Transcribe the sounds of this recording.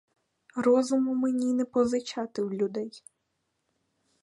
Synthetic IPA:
rɔzʊmʊmenʲinɛpɔzɪt͡ʃɑt̪ɪwlʲʊd̪ɛj

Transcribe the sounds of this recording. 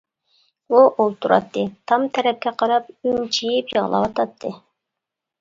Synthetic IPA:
buʔolˠt̪ʰuɾɑ̰t̪ːɨt̪ʰɑmt̪ʰɛɾɛp̚kʲɛqʰɑɾɑp̚ynt͡ʃʰijipjəʁlˠɑ̰wɑt̪ʰɑt̪ʰːɨ

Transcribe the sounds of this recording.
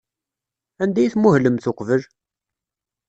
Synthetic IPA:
ænd̪æjiθmʊhləmθʊqvəl

